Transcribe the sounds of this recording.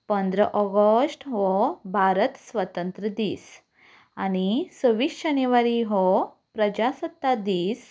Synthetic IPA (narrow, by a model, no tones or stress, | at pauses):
pənd̪ɾəʔɔɡəsʈɦɔbʱaɾət̪sʋət̪ənt̪ɾəd̪iːs | añisəʋiːʂd͡ʑənjeʋaɾiɦɔ | pɾəd͡ʑasət̪ːad̪iːs